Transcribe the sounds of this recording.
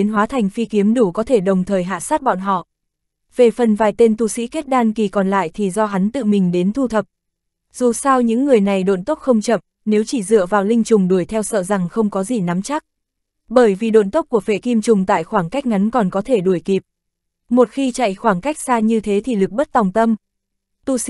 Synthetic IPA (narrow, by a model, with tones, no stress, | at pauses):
e˨˦nɦwaː˨˦t̪ʰa˨˩jŋ̟fi˧ki˨˦əmɗu˧˩kɔ˨˦t̪ʰe˧˩ɗə˨˩wŋ͡mt̪ʰəː˨˩jɦa̰ː˧˨saː˦˥t̚ɓɔ̰˧˨nɦɔ̰˧˨ | ve˨˩fə˨˩nvaː˨˩jt̪e˧nt̪u˨˩sḭ˧˥ke˦˥t̚ɗaː˧nki˨˩kɔ˨˩nla̰ː˧˨jt̪ʰi˨˩zɔ˧ɦa˨˦nt̪ɨ̰˧˨mï˨˩ŋ̟ɗe˨˦nt̪ʰu˧t̪ʰə˨˩p̚ | z̥u˨˩sa˧wɲɨ̰˧˥ŋːɨ˨˩əjna˨˩jɗo̰˧˨nt̪o˦˥k͡p̚xə˧wŋ͡mt͡ɕə̰˧˨m | ne˨˦wt͡ɕi˧˩zɨ̰˧˨əvaː˨˩wlï˧ŋ̟t͡ɕʊ˨˩ŋ͡mɗu˧˩əjt̪ʰɛ˧wsə̰ː˧˨za˨˩ŋxə˧wŋ͡mkɔ˨˦zi˨˩na˨˦mt͡ɕa˦˥k̚ | ɓəː˧˩jvi˨˩ɗo̰˧˨nt̪o˦˥k͡p̚ku˧˩əfḛ˧˨ki˧mt͡ɕʊ˨˩ŋ͡mt̪a̰ː˧˨jxwaː˧˩ŋka˦˥k̟̚ŋa˨˦nkɔ˨˩nkɔ˨˦t̪ʰe˧˩ɗu˧˩əjki˨˩p̚ | mo˨˩t̚xi˧t͡ɕa̰˧˨jxwaː˧˩ŋka˦˥jk̟̚saː˧ɲɨ˧t̪ʰe˨˦t̪ʰi˨˩lɨ˨˩k̚ɓə˦˥t̚t̪a˨˩wŋ͡mt̪ə˧m | t̪u˧i˧˥